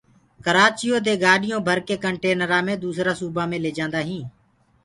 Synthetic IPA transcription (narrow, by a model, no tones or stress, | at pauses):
kəɾaːt͡ʃɪjoːd̪eːɡaːɗɪjõːbʱəɾkeːkəɳʈeːnəɾãːmẽːd̪uːsɾaːsuːbãːmẽːleːd͡ʒãːnd̪aːɦĩː